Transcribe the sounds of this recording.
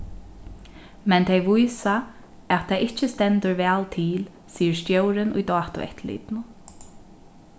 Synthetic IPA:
mɛnt̪ʰejʋujsa | ɛt̪ʰːajʔɪht͡ʃəst̪ɛnt̪əɹʋɛːlt̪ʰiːl | siːəɹst̪jowɾɪnʊ̰jd̪ɑːt̪ʊ̰ɛ̰ht̪lḭːt̪nʊ

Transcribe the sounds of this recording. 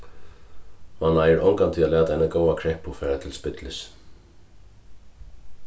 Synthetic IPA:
manːaːjɪɾɔŋkant̪ʰɪalɛːt̪aɛnakoːwakʰɾɛhpʊfɛːɾat̪ʰɪlspɪt̪lɪs

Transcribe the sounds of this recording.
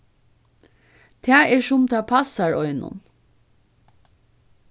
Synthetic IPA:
t̪ʰæːɛʃʊmt̪ʰɑːpʰɑsɑɹɔʏnʊ̰n

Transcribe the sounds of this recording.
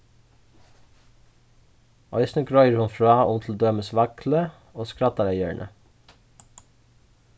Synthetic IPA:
ɑʏsnəɡɾœʏəɹhʊnfɹɑːʊmt̪ʰl̩d̪øːməsʋɑklə | oːskɾɑt̪ɑɾæɪœ̰ɳʔə̰

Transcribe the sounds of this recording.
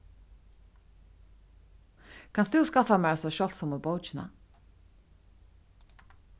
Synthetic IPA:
kʰɑnsd̪ʉːskɑfɑmæːɾɑsɔʃɔlt̪sɔmobɔʊt͡ʃɪnɑ̰

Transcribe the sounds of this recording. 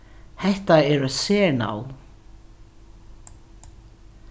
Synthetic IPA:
hɛht̪aɛɾaðsɛːna̰ːw

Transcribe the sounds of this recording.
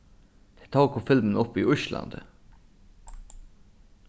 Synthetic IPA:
d̪̥e̥t̪ʰɑːkɔfɪlmən̩ɔpiːʔʉʃlʔɑ̰nd̪̥

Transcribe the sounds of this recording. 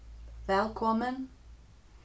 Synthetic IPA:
vɛlˠkʰɔmən

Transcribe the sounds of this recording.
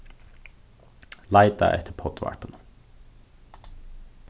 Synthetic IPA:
lɑɪd̪̚ɑ̰ʔɛ̰t̪ʰəpʰɔt̪ʋɑ̰ɹpən

